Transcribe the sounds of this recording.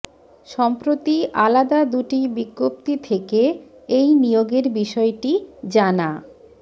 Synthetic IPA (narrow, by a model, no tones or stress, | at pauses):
ʃɔmpɾot̪iʔalad̪ad̪uʈibiɡːop̚t̪it̪ʰekeejnijoɡeɾbiʃɔeʈid͡ʑana